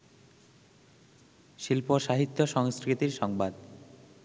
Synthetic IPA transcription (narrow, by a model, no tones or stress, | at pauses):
ʃilpoʃaɦit̪ːoʃɔŋskɾit̪iɾʃɔŋbad̪